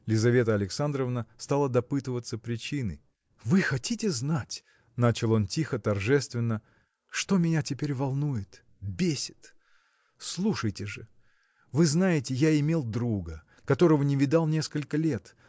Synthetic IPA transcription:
lʲɪzɐvʲe̞t̪əɐlʲɪksand̪ɾəvnəst̪alˠəd̪ɐpɨt̪ɨvət̪səpɾʲɪt͡ɕinɨ̰ | vɨxɐtʲitʲɪznatʲ | nat͡ɕɪlˠo̞ntʲixət̪ɐrʐɛst̪vʲɪnːə | ʂt̪omʲɪnʲatʲɪpʲeɾʲvɐlˠnujɪt̪ | bʲesʲɪ̥t̪ | slˠuʂəjtʲɪʐɨ | vɨznajɪtʲɪjaɪmʲelˠd̪ɾuɡə | kɐt̪o̞ɾəvənʲɪvʲɪd̪ɑlˠnʲe̞skəlʲkəlʲe̞t̪

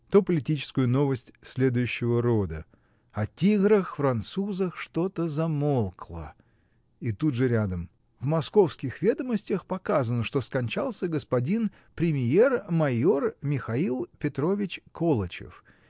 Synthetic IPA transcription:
t̪opəlʲɪtʲit͡ɕɪ̥skʊjʊno̞vəsʲtʲsʲlʲe̞d̪ʊjʉɕːɪvəɾo̞d̪ə | ɐtʲiɡɾəxfɾɐnt̪suzəxʂt̪o̞t̪əzɐmolˠklˠə̰ | ɪt̪ut̪ʐɨɾʲad̪əm | vmɐsko̞fskʲɪxvʲed̪əməsʲtʲəxpɐkazənəʂt̪oskɐnʲt͡ɕalˠsʲəɡəspɐdʲin | pɾʲɪmʲje̞rmɐjo̞rmʲɪxɐilˠpʲɪt̪ɾovʲɪt͡ɕkolˠət͡ɕɪ̰f

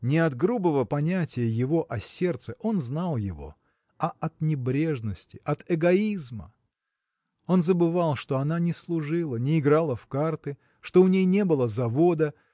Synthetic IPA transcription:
nʲɪɐd̪ɡɾubəvəpɐnʲætʲɪjəjɪvo̞ʔɐsʲe̞rt̪sɨʔo̞nznalˠjɪ̰vo̞̰ | ɐɐt̪nʲɪbɾʲe̞ʐnəsʲtʲɪʔɐt̪ɨɡɐizmə̰ | o̞nzəbɨvalˠʂt̪o̞ɐnanʲɪslˠʊʐɨlˠənʲɪːɡɾalˠəfkart̪ɨ | ʂt̪oʊnʲejnʲe̞bɨlˠəzɐvo̞d̪ə

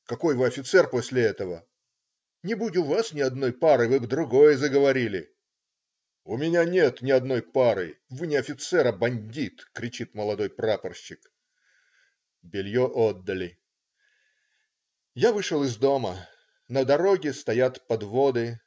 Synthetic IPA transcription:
kɐko̞jvɨɐfʲɪt̪sɛrpo̞sʲlʲɪɛt̪əvə | nʲɪbudʲɪʊvasnʲɪɐd̪no̞jpaɾɨvɨbd̪ɾʊɡo̞jəzəɡəvɐɾʲilʲɪ̰ | ʊmʲɪnʲanʲe̞t̪nʲɪɐd̪no̞jpaɾɨ̰vɨnʲɪɐfʲɪt̪sɛɾəbɐnʲdʲit̪kɾʲɪt͡ɕit̪məlˠɐd̪o̞jpɾapərɕːɪk | bʲɪlʲjoʔod̪ːəlʲɪ | javɨʂəlˠɨzd̪o̞mə | nəd̪ɐɾo̞ɡʲɪst̪ɐjat̪pɐd̪vo̞d̪ɨ

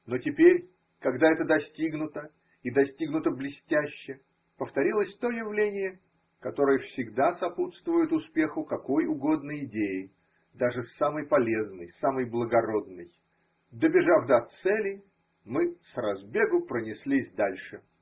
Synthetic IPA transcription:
no̞tʲɪpʲeɾʲ | kɐɡd̪aɛt̪əd̪ɐsʲtʲiɡnʊt̪ə | id̪ɐsʲtʲiɡnʊt̪əblʲɪsʲtʲæɕːɪ | pəft̪ɐɾʲilˠəsʲt̪o̞jɪvlʲenʲɪjə | kɐt̪o̞ɾɨjəfsʲɪɡd̪asɐput̪st̪vʊjʊt̪ʊspʲe̞xʊkɐko̞jʊɡo̞d̪nəjɪdʲejɪ | d̪aʐɨsaməjpɐlʲe̞znəjsaməjblˠəɡɐɾo̞d̪nəj | d̪əbʲɪʐavd̪aɐt̪sɛlʲɪ | mɨsrɐzbʲe̞ɡʊpɾənʲɪsʲlʲisʲd̪alʲʂɨ

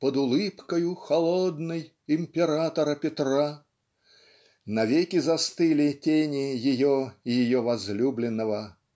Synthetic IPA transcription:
pəd̪ʊlˠɨpkəjʊxɐlˠod̪nɨj | ɪmʲpʲɪɾat̪əɾəpʲɪt̪ra | nɐvʲekʲɪzɐst̪ɨlʲɪtʲenʲɪjɪjoɔijɪjɔvɐzlʲublʲɪnːəvə

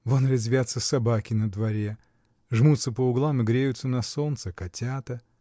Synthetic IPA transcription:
vonɾʲɪzʲvʲat̪səsɐbakʲɪnəd̪vɐɾʲe | ʐmut̪səpəʊɡlˠamɨɡɾʲejʊt̪sənɐsont̪sɨkɐtʲat̪ə

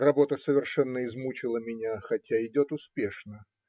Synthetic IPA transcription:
rɐbo̞t̪əsəvʲɪrʂɛnːəɪzmut͡ɕɪlˠəmʲɪnʲaxɐtʲaɪdʲo̞t̪ʊspʲe̞ʂnə

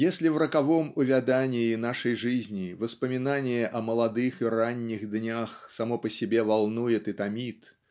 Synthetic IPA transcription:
jasʲlʲiwɾɐkavɔmuvʲad̪anʲiinaʂɐjʐɨzʲnʲivɨspɐmʲinanʲɛʔɐmɐlˠad̪ɨxiranʲːiɣd̪nʲaxsamɔpɐsʲɛbʲɛvalˠnujɛt̪ɨt̪amʲit̪

